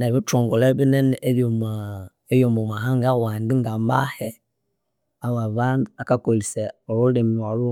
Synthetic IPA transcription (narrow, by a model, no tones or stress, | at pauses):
nɛbit͡ʃɔŋɡɔlɛbinɛnejoma | ejomomaɦaŋɡawandiŋɡamba̰hɛ | awaβanakakolisɛɔɾulemalu